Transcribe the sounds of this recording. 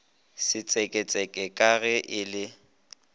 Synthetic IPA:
sɪt͡sʼɛkʼɛt͡sʼɛkʼɛkʼaɣɛʔɪlɪ

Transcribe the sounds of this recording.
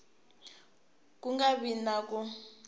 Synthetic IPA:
kʼuŋɡaβinakʼu

